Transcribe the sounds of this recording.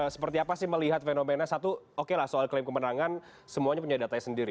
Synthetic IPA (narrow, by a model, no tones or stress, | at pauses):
əsə̥pərt̪iapasɪhməliɦat̪̚fenomenasat̪uokelahsoalklemkəmənaŋan | səmuaɲap̬uɲadat̪aɲasəndiɾi